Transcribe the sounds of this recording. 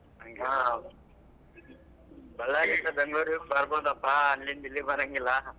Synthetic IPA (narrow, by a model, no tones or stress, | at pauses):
ɐŋɡa | bɐlaːɡit̪ːɐbɐŋɡɭoːɾibɐɾboːd̪ɐpːaːlːind̪ilːibɐɾɐŋɡilːɐ